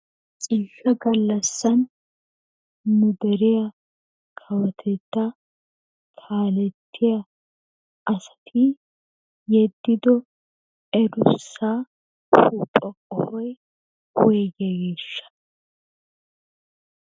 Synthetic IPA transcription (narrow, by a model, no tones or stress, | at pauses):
t͡sʼiːfɐɡɐlːɐsːɐn | nʊd̪ɛɾɪjɐ | kʰɐwɐt̪ʰɛt̪ːɐ | t̪ʰaːlɛt̪ʰːɪjɐ | ʔɐsɐ̥t̪ʰɪ | jɛd̪ːɪd̪ɔ | ɛɾʊsːaː | huːpʼɔkʼɔhɔj | hʊɛɡɛɡe̞ːʃːɐ̥